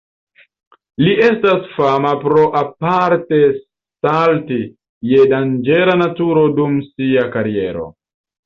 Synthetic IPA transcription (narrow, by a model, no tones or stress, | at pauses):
lie̞stasfamapɾo̞ʔapaɾtes | talti | jedand͡ʒelanatuɾodumsiakaɾie̞̰ɾo̞̰